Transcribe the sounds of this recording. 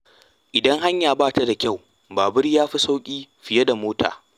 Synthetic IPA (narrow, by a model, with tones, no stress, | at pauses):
ʔɪ˨dɐ˦ŋɦa˦ɲjaː˨baː˦˨ta˦da˨kʲa˦˨w | baː˨bɪ˦rjaː˦ɸi˦sa˦wkʲʼiː˦ɸɪ˨je˦da˨moː˦tʰa̰ː˨